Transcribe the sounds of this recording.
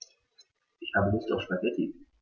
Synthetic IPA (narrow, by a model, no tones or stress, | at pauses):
ʔɪçhaːbənɪçtaʊfʃpaɡɛtʰḭ